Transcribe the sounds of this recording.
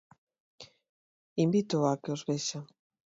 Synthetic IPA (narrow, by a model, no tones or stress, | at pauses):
imbit̪ʊakeozβeʃa